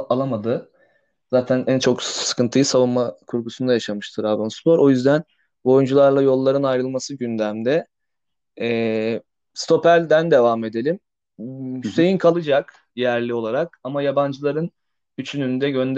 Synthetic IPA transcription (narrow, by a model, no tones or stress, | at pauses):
alˠamad̪ɯ | z̥aːt̪ʰænʔænt͡ʃʰo̞ksɯ̥kɯnt̪ʰɯjɯsavunmakʰuɾɡusund̪ajaʃamɯʃt̪ʰɯɾabonspʰo̞ɾo̞jyzd̪æn | bo̞jund͡ʒulˠaɾlˠajo̞lˠːaɾɯnajɾɯlˠmasɯɟynd̪æmd̪ɛ | ɛː | st̪ʰo̞pʰælʲd̪ænd̪e̞vame̞d̪e̞lʲim | yse̞jinkʰalˠɯd͡ʒak | jæɾlʲio̞lˠaɾakamajaband͡ʒɯlˠaɾɯn | yt͡ʃʰynynd̪ɛɟø̞nd̪